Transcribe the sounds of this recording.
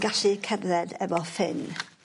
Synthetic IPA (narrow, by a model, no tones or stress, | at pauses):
ɡaɬikʰɛvrɛdɛvɔfɪn